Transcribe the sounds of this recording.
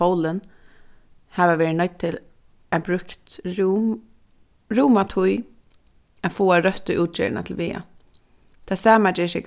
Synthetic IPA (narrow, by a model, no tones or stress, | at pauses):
owlən | haʋaʋɛːɹnɔt̪̚t̪ʰɪl | æbɾʏkt̪ | ɾuːmat̪ʰʊj | afoːaɾœht̪ːʊjʔuːt̪̚t͡ʃɛ̰ːɹɪna̰t̪ʰɪlʋiːa̰ | t̪ʰaːsaːmad͡ʒɛːsɛk